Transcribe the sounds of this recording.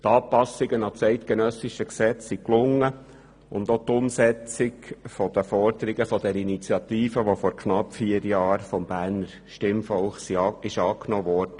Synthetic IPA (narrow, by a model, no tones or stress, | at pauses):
t̪ɑːpɑsɪɡənɑt͡sɛɪt̪kenœsiʃəksɛt͡ssiklʊŋːə | ʊ̰nd̪ot̪ʊmsɛt͡sɪɡfɔd̥̪əfɔrdəɾiɡəfɔd̥̪ɛɾinit͡sjɑt̪iːfəʋofɔɾkʰnɑpːfiəɾjɑːɾfɔmb̥æːrnəɾ | ʃtɪmfɔlχsiːɪʃɑːknɔːʋɔrd̥ə